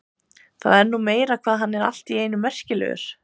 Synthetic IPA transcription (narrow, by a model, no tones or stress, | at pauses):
θa̰ðɛɾnuːmeːjɾakʰvaːðɦanːɛɾa̰l̥t̪ieːjnʏmɛr̥cɪlɛ̰ʏ̰ɾ̥